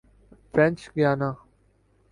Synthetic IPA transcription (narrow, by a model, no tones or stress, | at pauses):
fɾɛ̃nt͡ʃɡjaːnãː